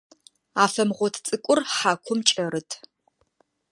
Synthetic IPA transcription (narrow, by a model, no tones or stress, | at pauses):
aːfɐmʁʷɔtʰt͡sʼɨkʷʼʊrħaːkʷʰʊmt͡ʃʼɐɾɨtʰ